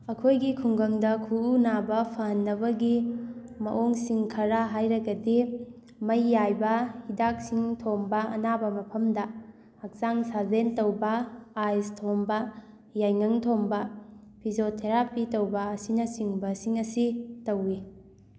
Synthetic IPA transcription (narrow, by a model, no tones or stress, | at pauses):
ɐkʰojɡikʰuŋɡɐŋdɐkʰuːnabɐpʰaɦɐnːɐbɐɡi | mɐ̰ʔoŋsiŋkʰɐɾaɦajɾɐɡɐdi | mɐjːajbɐhidak̚siŋtʰombɐɐ̰nabɐmɐpʰɐmdɐ | hɐk̚saŋsazentɐwbɐajstʰombɐ | jajŋɐŋtʰombɐ | pʰizotʰeɾapitɐwbɐɐsinɐsiŋbɐsiŋɐsitɐwːi